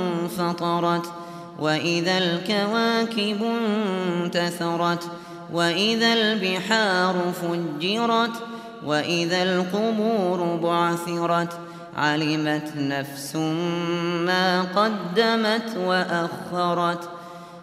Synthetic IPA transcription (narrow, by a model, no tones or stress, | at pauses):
fɑt̪ˤɑɾˤɑt̪ | waʔɪðalkawaːkɪbnt̪aθɑɾˤɑt̪ | waʔɪðalbɪħaːɾˤʊfʊd͡ʒːɪɾˤɑt̪ | waʔɪðalqʊbuːɾʊbʊʕθɪɾˤɑt̪ | ʕalɪmat̪nafsʊ | maːqɑd̪ːamat̪waʔaxːɑɾˤɑt̪